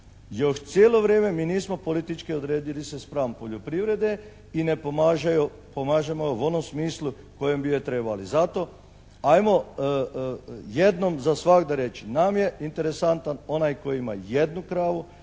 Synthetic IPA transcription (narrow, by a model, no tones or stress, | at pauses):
jo̞ʃt̪sjeːlo̞ʋɾjeːme̞miːniːsmo̞po̞lit̪it͡ʃkiod̪ɾeːd̪ilisespɾaːmpo̞ʎopɾiʋɾed̪e̞ | inepomaʒaju | pomaːʒemojoʋo̞no̞msmiːslˠu | ko̞jembijet̪ɾe̞ːbalizat̪o̞ | ajmo̞ | jed̪nomzasʋakd̪aɾe̞t͡ʃinamje̞int̪e̞ɾesant̪ano̞najko̞jiima̰je̞d̪nukɾaːʋu